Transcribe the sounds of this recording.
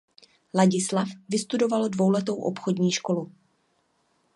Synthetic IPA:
laɟɪslafvɪst̪udo̞valdvo̞wlɛt̪o̞wʔo̞pxo̞dɲiːʃko̞lu

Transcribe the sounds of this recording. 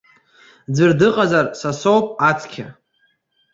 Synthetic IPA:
d͡zʷɨrdɨqʼazarsasowpʼat͡sʰʼkʲʰa̰

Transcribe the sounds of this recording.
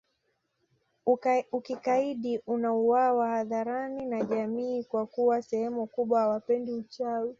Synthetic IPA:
ukikaiɗiʔunauwawahaðaɾaninaʄamiːkwakuwasɛhɛmukuɓwahawapɛndiut͡ʃawi

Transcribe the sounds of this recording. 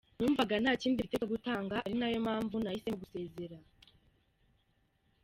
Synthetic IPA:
nuːɱvaɡanhaːciːndiitekaɡutaːŋɡaɾinajo̞maːɱvunahisemuɡuse̞ːze̞ɾa

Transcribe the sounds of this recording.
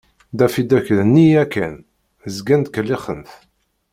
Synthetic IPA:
d̪æfid̪æçðənːiækːæn | zɡænd̪kəlːiχəmθ

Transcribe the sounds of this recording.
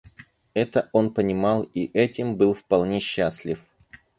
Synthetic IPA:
ɛt̪əʔo̞npənʲɪmɑlˠiʔɛtʲɪmbɨlˠfpɐlˠnʲeɕːasʲlʲɪf

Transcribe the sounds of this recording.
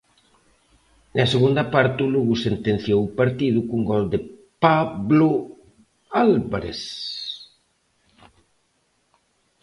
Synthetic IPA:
nɐseɣund̪ɐpaɾt̪ɪuluɣusent̪enθjowpaɾt̪iðʊkuŋɡɔld̪ɪpaβlʊ | alβaɾḛs

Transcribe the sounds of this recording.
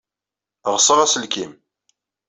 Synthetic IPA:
ʁsˤəʁæsəlkim

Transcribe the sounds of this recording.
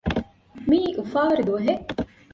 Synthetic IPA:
miːʔufaːʋɐɾid̪uɐɦe

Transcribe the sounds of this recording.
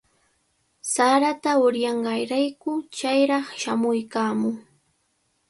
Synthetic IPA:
saɾat̪aʊɾjɑɴɢɑjɾajkʊt͡ʃajɾɑχʃamʊjkaːmʊŋ

